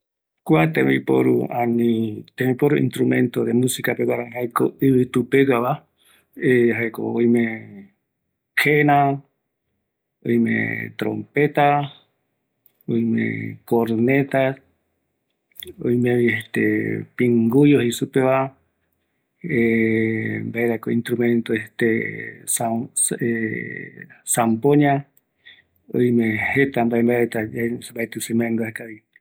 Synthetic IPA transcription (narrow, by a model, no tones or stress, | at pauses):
kuat̪ẽmĩpo̰ɾṵanĩt̪emĩpoɾuḭnt̪ɾumẽnt̪oðemũsikapekʷaɾanĩhaekoiβɨt̪upekaβa | eɦajko̰ojmẽ | kʰenã | ojmḛ̃t̪ɾo̰mpet̪a | ojmḛ̃koɾnet̪as | o̰jmeβihet̪ḛpiŋɡujohisupeβa | e | mbaeɾakoint̪ɾumẽnt̪oet̪esae | sampoɲã | o̰jmẽhet̪ambaembaet̪aambaet̪ɨsemaŋɡ̪oahekaβi